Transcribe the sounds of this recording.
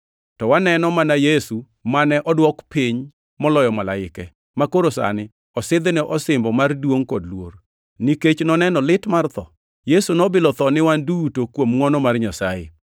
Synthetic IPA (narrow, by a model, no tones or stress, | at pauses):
tɔwanɛnɔmanajesu | manɛʔɔdwɔkpiɲ | mɔlɔjɔmalaɪkɛ | makoɾosa̰nɪ | ɔsɪd̪nɛʔɔsɪmbɔmardwoŋkɔdlwo̰r | niket͡ʃnɔnɛnɔlɪtmart̪ɔ | jesunɔbɪlɔt̪ɔnɪwandutokwomŋɔnɔmarɲasajɪ̰